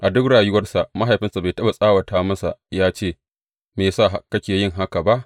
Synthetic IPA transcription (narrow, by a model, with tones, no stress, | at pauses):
ʔa˨dʊ˦kɽaː˨jʊ˦wɐ˦rsa˨ʔma˦ɦa˨jɸɪ˦nsa˨ba˨tɐ˦ba˨sʼaː˦wɐ˨taː˦mɐ˦sa̰˨jaː˦t͡ʃeː˦˨ | meː˨saː˦˨ɦa˦kɐ˦kʲeː˨jɪ˦˨ŋɦa˦ka˨ba˦ʔ